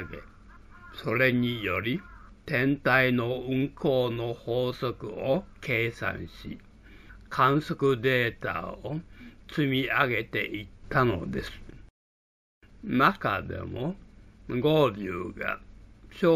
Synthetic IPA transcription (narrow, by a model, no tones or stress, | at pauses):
ɡḛ | so̞ɾe̞ɲijo̞ɾʲit̪ẽ̞nt̪aino̞ɯ̃ŋkʰo̞ːno̞hoːsokɯokʰe̞ːsã̰ɰ̃ɕi | kʰãɰ̃sokɯd̪e̞ːt̪a̰ot͡sɨmʲiaɡe̞t̪e̞ʔit̪ːano̞̰d̪e̞sɨ̥ | makad̪ḛmo | ɡo̞ːbʲjɨ̰ːɡa̰ɕo